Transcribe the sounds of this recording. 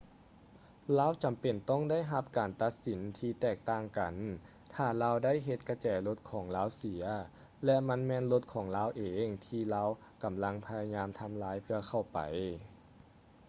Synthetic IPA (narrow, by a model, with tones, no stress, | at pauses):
laː˧˥˨wt͡ɕa˨˩mpe˨˩nt̪ɔ˥˩ŋda˥˨jɦa˧˥p̚kaː˨˩nt̪a˧˥t̪̚si˨˩˦nt̪ʰiː˧t̪ɛː˧˩k̚t̪aː˧˩ŋka˨˩n | t̪ʰaː˧˩laː˧˥wda˥˨jɦe˧t̪̚ka˧t͡ɕɛː˨˩lo˧˦˥t̪̚kʰɔː˩˦ŋlaː˧˥wsi˨˩˦ɐ | lɛ˧˥ma˧˥˨nmɛː˧˨nlo˧˥t̪̚kʰɔː˨˩˦ŋlaː˧˥wʔeː˨ŋt̪ʰiː˧˩laː˧˥˩w | ka˨˩mla˧˥ŋpʰa˧ja˧ɲaː˧mt̪ʰa˧mlaː˧˦˥jpʰɯ˧ɐkʰa˧˩wpa̰˨˩j